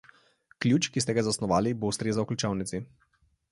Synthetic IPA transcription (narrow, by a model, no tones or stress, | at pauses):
klʲjuːt͡ʃkist̪ɛɡazasnɔʋaːlibost̪ɾeːzawklʲut͡ʃawnit̪si